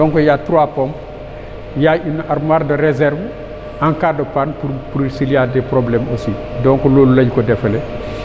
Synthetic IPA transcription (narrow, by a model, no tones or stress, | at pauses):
dɔːŋkɔjatɾwapɔmp | jainʔaɾmaːɾdɐɾezɛɾv | ʔaŋkaːdɔpanpuɾpuɾisiliadɛpɾoblɛmɐsidɔːŋkɔloːlulɐɟkɔdɛfɐle